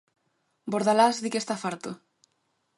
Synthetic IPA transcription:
boɾðalazðikest̪afaɾt̪o

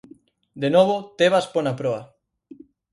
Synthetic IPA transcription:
d̪enoβot̪eβasponapɾoa

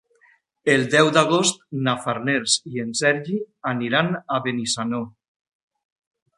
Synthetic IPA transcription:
elˠd̪ɛwd̪aɣost̪̚nafaɾneɾziensɛɾʒianiɾanaβenisano

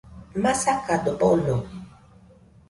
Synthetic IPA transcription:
masakadɔpɔlɔ

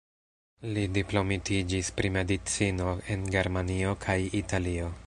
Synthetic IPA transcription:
lidiplo̞mitid͡ʒispɾime̞dit͡sino̞e̞nɡe̞ɾmanio̞kʰajitalio̞

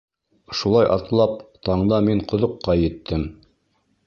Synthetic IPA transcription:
ʃulˠɑjʔɑ̰t̪lˠɑp̚t̪ɑɴd̪ɑmiɴqŏðŏqːɑjɘ̆t̪ʰːɘm

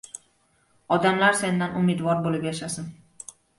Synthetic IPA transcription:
ɒd̪amlaɾse̞nd̪anʊmed̪vɒɾbolɪpjaʃasɪn

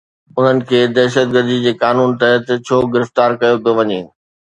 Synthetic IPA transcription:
ʊn̤ənɪ̆kʰeːd̪ɛɦʃət̪̚ɡəɾd̪id͡ʑeːkaːnuːnt̪ɐɦət̪t͡ɕʰoːɡɪɾɪft̪aːɾkɐjopijoʋɐɲeː

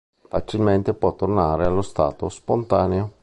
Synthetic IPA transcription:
fat͡ʃilment̪epwɔt̪ːornaːɾealːost̪a̰ːt̪ospont̪aːneo

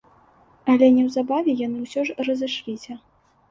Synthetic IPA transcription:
ɐlʲɛnʲɛwzabavʲɛjan̪ɨwsʲɔʐrɐzɨʂlʲisʲɐ

